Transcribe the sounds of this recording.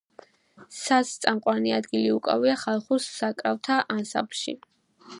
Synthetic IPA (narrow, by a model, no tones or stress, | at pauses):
sast̪sʼamqʼwaniad̪ɡiliukʼa̰viaχalˠχusːakʼɾaft̪ʰaʔansa̰pʰʃḭ